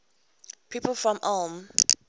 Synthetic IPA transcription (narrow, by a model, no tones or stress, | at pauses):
pʰiːˑpəl̩ˠfɹɔ̃mʔam